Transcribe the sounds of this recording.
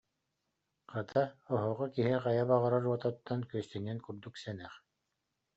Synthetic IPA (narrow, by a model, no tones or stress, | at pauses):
qat̪ʰaɔɦɔːʁɔkiɦiqajabaʁaɾaɾuɔt̪ɔt̪ːankyœst̪inɛnkuɾd̪uksɛnɛχ